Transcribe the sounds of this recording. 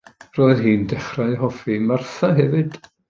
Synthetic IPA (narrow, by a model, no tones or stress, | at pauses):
roːɨðɦiːndɛχraɨɦɔfimarθaɦɛvɨd̥